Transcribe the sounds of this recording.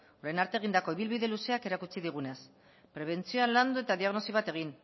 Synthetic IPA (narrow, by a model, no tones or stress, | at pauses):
oɾajnaɾt̪eɣ̞ind̪ako̞iβ̞ilβiðe̞luse̞ake̞ɾakut͡siðiɣ̞une̞s | pɾe̞β̞e̞nt͡sioaland̪ue̞t̪aðiaɣno̞siβ̞at̪e̞ɣ̞in